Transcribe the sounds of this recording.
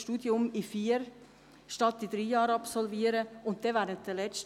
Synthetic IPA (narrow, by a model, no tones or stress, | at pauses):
ʃtuːdjʊmifiːəɾ | ʃtɑtːid̪ɾiːjɑːɾɑpsɔlviːəɾəʊnt̚d̥ɛʋɛːɾənt̚d̥əlɛt͡s